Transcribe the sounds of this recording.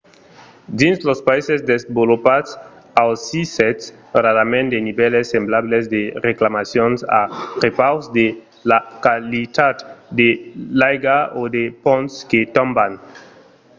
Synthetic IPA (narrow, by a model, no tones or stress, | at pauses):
d̪inslospaisesd̪esbolopads | awsisɛts | raɾamẽnd̪enibɛlesːemblablesd̪ereklamasjonsa̰ʁepawsd̪e | lakalit̪at̪d̪elajɡaod̪epõntsket̪ɔ̃mban